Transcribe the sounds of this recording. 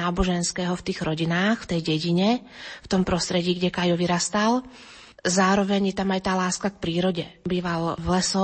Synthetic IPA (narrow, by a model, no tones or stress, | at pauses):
aːbɔʒɛnskɛːɦɔft̪iːɣɾɔɟinaːxft̪ɛjɟɛɟiɲɛ | ft̪ɔmpɾɔst̪ɾɛɟiːɡɟɛkajɔʋiɾast̪al | zaːɾɔʋɛɲjɛt̪amajt̪aːlaːskak̚pɾiːɾɔɟɛbiːʋalvlɛsɔ